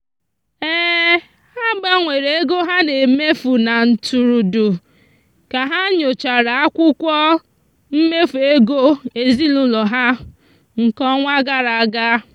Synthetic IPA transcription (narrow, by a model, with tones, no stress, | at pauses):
eː˦ | ha˦ba˦ŋʷe˨ɾe˨e˦ɡo˦ɦa˦ne˨me˦fu˨na˨n̩˨tu˨ɾu˨du˨ | ka˨ɦa˦ɲo˨t͡ʃa˨ɾa˨a˦kʷʊ˦kʷɔ˦ | m̩˦me˦fu˨e˦ɡo˦e˨zi˦lu˦lɔ˨ɦa˦ | ŋ̩˨kɔ˦ŋʷa˦ɡa˦ɾa˨ɡa˦